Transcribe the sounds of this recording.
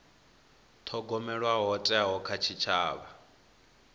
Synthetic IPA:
tʰɔɡɔmɛɺwaɦɔtʼɛaɦɔkʰat͡ʃʰit͡ʃʰaːβa

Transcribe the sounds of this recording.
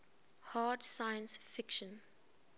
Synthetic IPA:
haːdsajə̃nsfɪkʃə̃n

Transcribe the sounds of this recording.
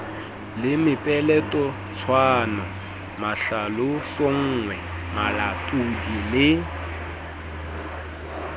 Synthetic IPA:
lɪmɪpʼɛlɛtʼɔ | t͡sʰwaːnɔ | maɬalʊsoŋ̩ːŋwɛ | malatʼudilɪ

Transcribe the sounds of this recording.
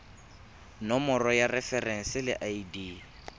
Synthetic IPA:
nɔmɔrɔjarɛfɛrɛŋ̩sɪlɪ̰ʔaidiː

